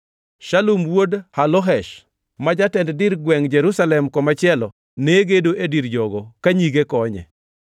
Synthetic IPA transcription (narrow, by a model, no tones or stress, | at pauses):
ʃalumwodhalɔɦɛʃ | mad͡ʒatɛnddɪɾɡwɛŋd͡ʒeɾusalɛmkɔmat͡ʃɪɛlɔ | neɡedoʔediɾd͡ʒɔɡɔkaɲiɡekɔɲɛ̰